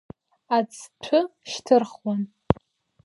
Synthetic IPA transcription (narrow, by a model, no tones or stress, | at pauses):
at͡sʰʈ͡ʂʷʰʊʃtʰɨrχwan